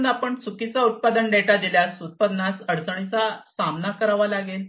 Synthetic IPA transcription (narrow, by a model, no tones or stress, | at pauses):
napəɳt͡sʰukit͡saut̪̚pad̪ənɖeʈad̪iljasut̪̚pəd̪nasəɽt͡səɳ̃it͡sasamnakəɾaʋalaɡel